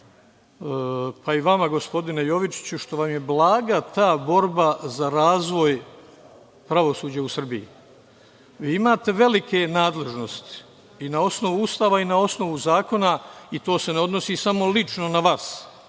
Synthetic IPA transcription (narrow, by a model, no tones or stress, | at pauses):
əpaiʋamaɡo̞spo̞d̪inejo̞ʋit͡ʃi̥t͡ɕuʃt̪o̞ʋamje̞blaːɡat̪aːbo̞ɾbazaɾaːzʋo̞j | pɾaʋo̞suːd͡ʑausr̩biḭ | ʋiːimaːt̪e̞ʋe̞like̞naːd̪le̞ʒno̞st̪i̥ | inao̞sno̞ʋuust̪aːʋainao̞sno̞ʋuzaːko̞nait̪o̞ːse̞neo̞d̪no̞siːsamo̞lit͡ʃno̞naʋaːs